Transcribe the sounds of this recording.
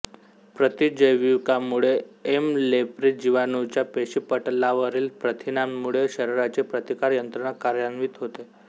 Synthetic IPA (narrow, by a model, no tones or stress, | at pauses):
pɾət̪id͡ʑəjʋikamuɭeemlepɾid͡ʑiʋanut͡ɕjapeɕipəʈlaʋəɾiːlpɾət̪ʰinamːuɭeɕəɾeɾat͡ɕepɾət̪ikaɾjənt̪ɾəɳ̃akaɾjənʋiːt̪ɦot̪e